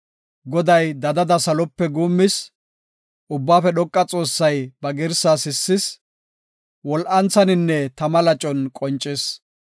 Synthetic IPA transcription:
ɡɔd̪ɐjd̪ɐd̪ɐd̪ɐsɐlɔpːɛɡuːmːɪs | ʊbːaːfɛɗɔkʼːɐt͡sʼo̞ːsːɐjbɐɡɪɾsasɪsːɪs | wɔlʔɐnt͡sɐnɪnːɛt̪ɐmɐlɐt͡ʃʼɔnkʼɔnt͡ʃʼːɪs

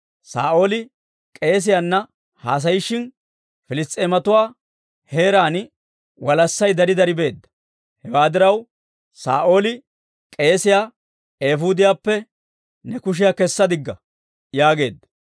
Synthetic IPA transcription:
sa̰ːʔo̞ːlɪ | kʼe̞ːs̬ɪjaːnːɐ | haːs̬ɐjɪʃːɪn | fɪlɪst̪ʼːeːmɐt̪ʊwaː | heːɾaːnɪ | wɐlɐsːɐjd̪ɐɾɪd̪ɐɾɪbe̞ːd̪ːɐ̥ | hɛwaːd̪ɪɾɐw | sa̰ːʔo̞ːlɪ | kʼe̞ːsɪjaː | eːfuːd̪ɪjaːpːɛ | nɛkʊʃ̬ɪjaːkɛsːɐd̪ɪɡːɐ | jaːɡe̞ːd̪ːɐ̥

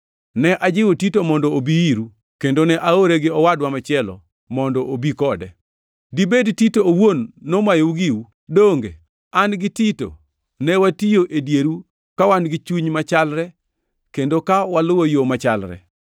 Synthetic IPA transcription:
nɛʔad͡ʒɪwotitomɔndɔobiiɾu | kendonɛʔaoɾeɡɪɔwadwamat͡ʃɪɛlɔ̰ | mɔndɔʔobikɔdɛ | dibedtitoowonːomajouɡiu | doŋɡḛ | anɡɪtito̰ | nɛwatijoʔedjeɾu | kawanɡɪt͡ʃuɲmat͡ʃalɾɛ | kendokawalʊwojomat͡ʃalɾɛ̰

